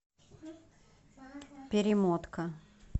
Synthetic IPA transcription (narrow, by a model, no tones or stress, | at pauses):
pʲɪɾʲɪmot̪kə